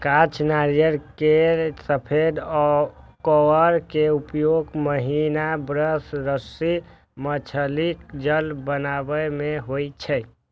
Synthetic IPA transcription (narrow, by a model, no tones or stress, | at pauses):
kat͡ʃʰnaɾijəɾkeɾsəpʰed̪ɔkɔwəɾkeupjoɡməɦinabɾəsɾəsi | mət͡ʃʰəlikd͡ʒəlbənabəmeɦojt͡ʃʰɛ